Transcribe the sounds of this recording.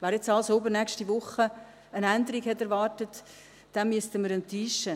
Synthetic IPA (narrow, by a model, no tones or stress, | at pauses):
ʋɛːɾjɛt͡sɑlsobənɛkʃtiʋʊχə | ənændəɾikhɛtɛɾʋɑːrtət | d̥ɛnmyəstəməɾəntiːʃə